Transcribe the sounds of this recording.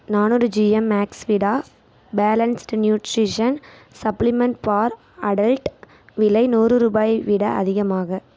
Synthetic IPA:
naːnɔɾɯd͡ʒiɐmːaːksʋɪɽaː | baːlɐnsʈnjuːʈɾiʂɐn | sɐplɪmɐɳʈpaːɾ | ɐɽɐlʈ | ʋɪlɐɪnuːrɯɾuːbaːjʋɪɽɐɐðɪɣɐmaːɣɐ

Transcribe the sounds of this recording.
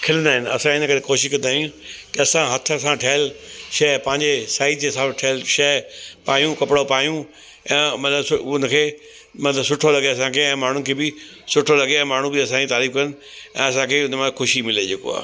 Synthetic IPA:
kʰɪlə̃nd̪aːɦɪnɪ̆ɐ̰sãɪnəkɐɾekoːʃɪʃkɐ̃nd̪aːɦijũkiɐsãɦɐt̪ʰə̆ɐsãʈʰɐɦɪlʃɐɦpɐ̃ɦɪ̃ɲd͡ʑesaːɪtd͡ʑesãʈʰɐɦlʃɐːpaːjũkɐpɪɽopaːjũ | ɛ̃ːmɐt̪ləbsʊʊnə̆kʰeː | mɐt̪ləbsʊʈʰolɐɡeɐs̬ãkʰeɛ̃ːmaːɳ̤ʊnɪkʰeːbɪ | sʊʈʰolɐɡeɛ̃ːmaːɳ̤ũbɪɐsãd͡ʑit̪aːɾiːfkɐɾənɪ̆ | ɛ̃ːɐsãkʰeʊnəmãxʊʃimɪled͡ʑeːko̰a̰ː

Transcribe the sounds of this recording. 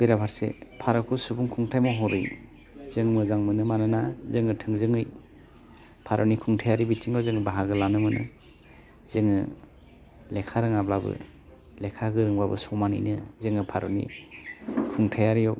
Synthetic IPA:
b̥eɾapʰaɾsḛpʰaɾɔkʰusubuŋkʰuŋtʰajmɔɦɔɾɯ̰j | zɯŋmɯzaŋmɯnɯmanɯnazɯŋɯtʰɯŋzɯŋɯj | pʰaɾɔnikʰuŋtʰajaɾibitʰiŋɔzɯŋɯbaɦaɡɯlanɯmɯnʔɯ̰ | z̥ɯŋɯ | lekʰaɾɯŋablabɯ̰ | lekʰaɡɯɾɯŋbabɯsɔmanɯ̰jnɯzɯŋɯpʰaɾɔnḭ | kʰuŋtʰajaɾijɔ

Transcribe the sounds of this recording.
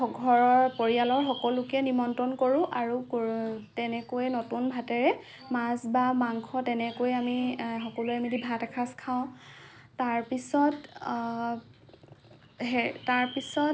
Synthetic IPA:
ɔɡʱɔɹɔɹpoɹialɔɹxɔkɔlʊkɛnimɔntɔnkoɹʊ̃ʔaɹukotɛnɛkojɛnotunbʱatɛɹɛ | mazbamaŋkʰɔtɛnɛkojamixɔkɔluɛamidibʱatakʰaskʰaʊ̃taɹpisɔt | ɦɛtaɹpisɔ

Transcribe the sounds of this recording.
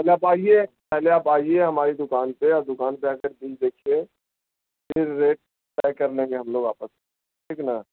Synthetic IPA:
pɛleaːpaːiepɛɦleaːpaːieɦɐmaːɾid̪ʊkaːnpeɔːɾd̪ʊkaːnpeaːkəɾb̪ɪld̪eːkʰie | pʰɪɾːeːʈ̚ | pɛːɪkɐɾnẽːŋɡeɦɐmloːɡaːpəse | ʈʰiːknaː

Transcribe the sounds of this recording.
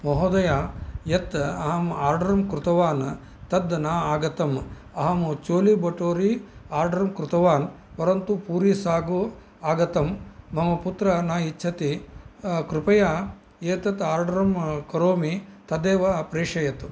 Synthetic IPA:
mɔɦoːd̪ɐjaːjɐt̪ɐɦɐmaːɾɖɐɾɐmkɾut̪ɐʋaːn | t̪ɐd̪naːaːɡɐt̪ɐm | ɐɦɐmut͡ʃoːlibɐʈoːɾiaːɾɖɐɾɐmkɾut̪ɐʋaːn | pɐɾɐnt̪upuːɾisaːɡu | aːɡɐt̪ɐmːɐmɐput̪ɾɐnaːit͡ʃːt͡ʃʰɐt̪i | kɾupɐjaː | eːt̪ɐt̪aːɾɖɐɾɐmkɐɾoːmit̪ɐd̪eːʋɐpɾeːʂɐjɐt̪u

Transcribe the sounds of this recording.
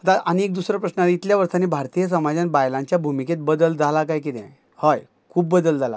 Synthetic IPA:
ət̪aʔaniek̚d̪usɾɔpɾəsnəaɾit̪ljaʋəɾt̪ʰanebʱaɾt̪ijəs̬əmad͡ʑãnbajlãɲt͡ɕjabʱumiket̪̚bəd̪əld͡zʱalakajkit̪ɛ̰̃ | hɔj | kʰuːbːəd̪əld͡zʱala̰

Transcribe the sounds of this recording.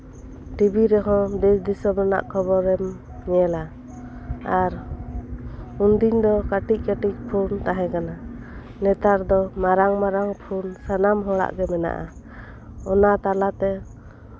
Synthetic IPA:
ʈibiɾɛɦɔ̃d̪ɛsd̪isɔbɛna̰ʔkʰɔbɔɾɛm | ɲɛla | aɾ | und̪iɲd̪ɔkaʈic̚ˀkaʈic̚pʰunt̪aɦɛ̃kana | nɛt̪aɾd̪ɔmaɾaŋmaɾaŋpʰunsanamɦɔɽa̰ʔɡɛmɛna̰ʔa | ɔnat̪alat̪ɛ

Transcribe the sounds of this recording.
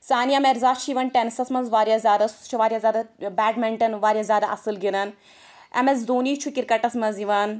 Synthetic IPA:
saːnijameɾzaːt͡ʃʰiʋɐnʈensɐsmɐnzʋaːɾjaːzʲjaːd̪ɐst͡ʃʰuʋaːɾʲjaːzʲjaːd̪abaːɖmɛɳʈɐnʋaːɾʲjaːzʲjaːd̪aːʔɐ̰sɨlɡiɾan | ɐ̰mɐzd̪uːniːt͡ʃʰukiɾkɐʈɐsmɐziʋaːn

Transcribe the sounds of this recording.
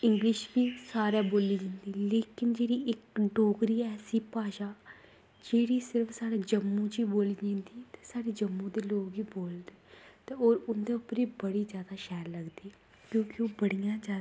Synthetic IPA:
ɪŋɡlɪʃkiːsaːɾeːboːliːd͡ʒɪ̃nd̪iːleːkɪnd͡ʒeːɽiːɪkɖoːkɾiːɛːsiːpaːʃaː | d͡ʒeːɽiːsɪɾəfʰsaːɽeːd͡ʒəmːũːd͡ʒiːboːliːd͡ʒãːnd̪iːt̪e̥ːsaːɽeːd͡ʒəmːũːd̪eːloːɡiːboːld̪eːt̪eːoːɾʊnd̪eːʊpːɾiːbəɽiːzjaːd̪aːʃɛːɾləɡd̪iː | kjõːkɪoːbəɽijãːd͡ʒaː

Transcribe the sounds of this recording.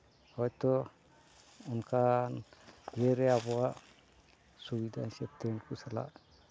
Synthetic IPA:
hɔjt̪ɔ | ɔnkʰanɡɛɾɛabɔaʔ | subid̪asɛp̚t̪ɛnkusala̰ʔ

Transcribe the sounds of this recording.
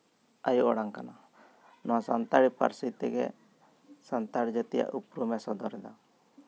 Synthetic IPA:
ajuʔɔɽaŋkana | nɔwasant̪aɽipa̰ɾsit̪ɛɡɛ̰ | sant̪aɽid͡ʒɛt̪ɛja̰ʔupɾumɛsɔd̪ɔɾɛd̪a

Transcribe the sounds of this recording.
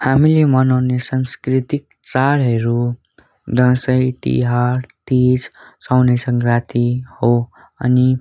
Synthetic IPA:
hamilemʌnawnesanskɾit̪ik̚ | t͡saɽɦʌɾu | d̪ʌ̃sʌjt̪ḭɦaɾt̪id͡zsawnesʌŋkɾat̪iho | ʌni

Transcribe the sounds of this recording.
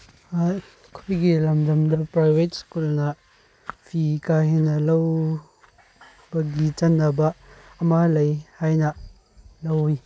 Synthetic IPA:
a | kʰojɡilɐmdɐmdɐpɾajbʱet̚skulnɐ | pʰikahenɐlɐw | bɐɡit͡ʃɐnːɐbɐːmalɐjhajnɐ | lɐwj

